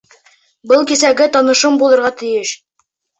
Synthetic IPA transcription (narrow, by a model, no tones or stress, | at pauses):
bɤlˠkisæɡɘt̪ɒnɤ̆ʃɤmbulˠɤ̆ɾʁɑt̪ɘ̆jɘʃ